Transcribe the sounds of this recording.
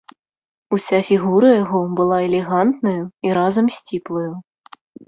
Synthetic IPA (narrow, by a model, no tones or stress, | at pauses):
usʲafʲiɣuɾɐjaɣɔbɨlˠaɛlʲɛɣant̪nɐjuiɾazɐmsʲt͡sʲiplˠɐju